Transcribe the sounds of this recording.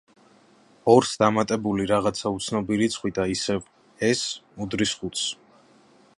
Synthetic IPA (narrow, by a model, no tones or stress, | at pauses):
ɔɾsd̪amat̪ʼɛbuliɾaʁat̪sʰaut̪sʰnɔbiɾit̪sʰχwid̪aisɛv | ɛsud̪ɾisχut̪s